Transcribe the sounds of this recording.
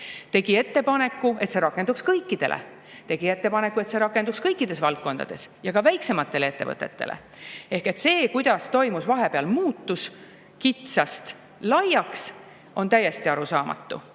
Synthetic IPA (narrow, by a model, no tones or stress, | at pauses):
t̪e̞ɡ̥ie̞t̪ːe̞pɑne̞kːˑue̞t̪se̞ɾɑkːˑe̞nd̪ukskɤjkˑːid̪̥e̞lḛ | t̪e̞ɡ̥ie̞t̪ːe̞pɑnekːˑue̞t̪se̞ɾɑkːˑe̞nd̪ukskɤjkːˑid̪̥e̞svɑlt̪̚ko̞nd̪̥ɑ̰d̪̥e̞̰sjɑɡɑvæjkse̞mɑt̪ːe̞lee̞t̪ːe̞vɤ̰t̪ˑːe̞t̪ːelḛ | ehke̞t̪se̞ːkujd̪̥ɑst̪o̞jmusvɑɦe̞peɑlmuːt̪ːus | kit̪sɑst̪ | lɑjɑks | ʔo̞nt̪æjːe̞st̪iɑɾusɑːmɑ̰t̪ːṵ